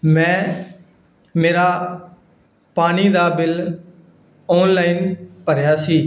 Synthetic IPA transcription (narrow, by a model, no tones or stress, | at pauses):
mɛ̃ː | meːɾaː | paːniːd̪aːbɪl | ɔːnlaːiːnpəɾjaːsiː